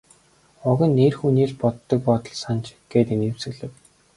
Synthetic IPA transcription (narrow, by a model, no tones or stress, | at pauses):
ʊɣʲə̆nːeːrxuniːɮpɔt̪ːɞ̆k̚pɔt̪ɞ̆ɮsant͡ɕɡ̥eːt̪ĭnewsɘ̆ɣɮɘ̆w